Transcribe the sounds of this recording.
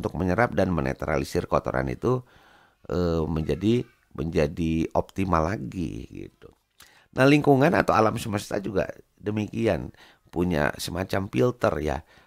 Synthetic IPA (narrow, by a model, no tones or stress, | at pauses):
nt̪ʊk̚məɲəɾap̚danmənḛt̪ɾa̰lisɪrkot̪o̰ɾa̰nḭt̪u | ʔəməɲd͡ʒadi | mʔəɲd͡ʒadiop̚t̪imalaɡḭɡḭt̪u | nʔahliŋkuŋana̰t̪awalamsəməst̪ad͡ʒuɡa̰ | dəmikian | puɲa̰səmat͡ʃamfilt̪ərja̰